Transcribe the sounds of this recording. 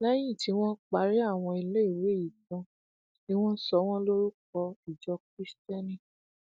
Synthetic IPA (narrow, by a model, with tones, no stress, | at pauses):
lɛ˦j̃ĩ˦˨ti˧˦w̃ɔ̃˦k͡pa˨˦ɾi˦a˦˨w̃ɔ̃˧i˧le˦i˦˨ɾe˦i˨kã˧ | ni˦w̃ɔ̃˦sɔ˧˦w̃ɔ̃˦lo˦ɾu˦k̚ɔ˧i˨d͡ʒɔ˧kɾi˦stɛ˦nĩ˦˨